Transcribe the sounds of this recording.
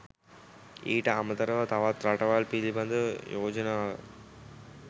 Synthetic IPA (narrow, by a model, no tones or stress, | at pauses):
iːʈɐɐmɐt̪ɐɾɐʋɐt̪ɐʋaːt̪ɾaʈɐʋaːlpilibɐnd̪ɐjoːd͡ʒɐna